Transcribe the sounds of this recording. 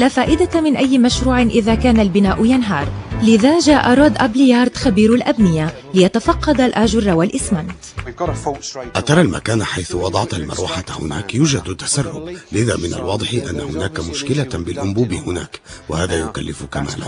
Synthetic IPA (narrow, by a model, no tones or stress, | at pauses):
laːfaːʔɪd̪amɪnʔajːɪmaʃɾuːʕɪnʔɪðaːkaːnalbɪnaːʔʊjanɦɑːɾˤlɪðaːʒaːʔaɾˤɑːd̪ʔablɪjɑːɾˤd̪xabiːɾalʔabnɪja | lɪjat̪afɑqːɑd̪alʔaʒʊɾˤːɑwalʔɪsmant̪ | ʔat̪ɑɾˤɑlma̰kaːnħajθʊwɑd̪ˤɑʕt̪almɑ̰ɾˤwaħahʊ̰naːkjuːd͡ʒad̪at̪ːḁsarˤːʊ̰blɪða̰ːmɪna̰lwɑːd̪ˤɨħʔanːahʊnaːkamʊʃkɪlabɪlʔʊmbuːbɪhʊna̰ːkwahaːðaːjʊkalːɪfʊkama̰ːla̰